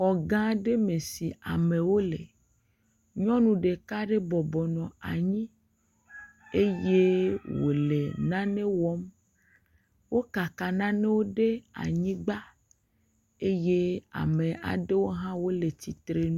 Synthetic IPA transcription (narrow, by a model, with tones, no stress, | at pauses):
xɔ˨ɡã˦ɖe˦me˨si˨a̰˨mẽ˨wo˦lḛ˨ | ɲɔ̃˦nũ˨ɖe˨ka˦ɖe˦bɔ˨bɔ˨nɔ̃˨a˨ɲĩ˦ | e˦je˦wo̰˨le˨nã˦nẽ˦wɔ˦m | wo˦ka˨ka˨nã˦nẽ˦wo˦ɖe˦a̰˨ɲĩ˦ɡ͡ba˦ | e˦je˦a̰˨mẽ˨ʔa̰˨ɖe˦wo˦ɦã˦wo˦le˨t͡ɕ̪i˨t̪ɾe˦nũ˦